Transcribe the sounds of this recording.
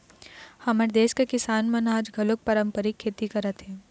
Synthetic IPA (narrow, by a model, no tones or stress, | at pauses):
hɐməɾd̪eːʃkekɪsaːnmɐ̃naːd͡ʒɡʱɐlʊk̚pɐɾə̃mpəɾikʰːeːt̪ikɐɾət̪ɦɛ̃ː